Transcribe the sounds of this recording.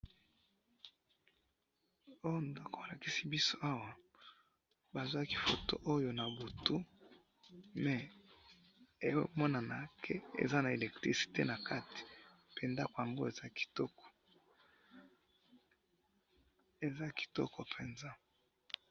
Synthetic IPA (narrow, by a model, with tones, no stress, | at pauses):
o˦jo˦ndo˦ko˨a˨la˨ki˦si˦bi˦so˦a˦wa˨ | ba˨zwa˦ki̥˦fo̰˨to̰˦ʔo˦jo˨na˨bo˨tu˦ | mɛ˨ | e˨wmɔ˦na˨na˨kʰe˦ḛ˨za˦na˨e˨lɛ˨k̚tʁi˨si̥˨te˦na˨ka˦ti̥˨ | pe˨nda˦ko˨ja˨ŋɡo˦e˨za˦ki̥˨tɔ˦kɔ̥˨ | e˨za˦ki̥˨tɔ̰˦kʰɔ˨pʰe˨nzã˦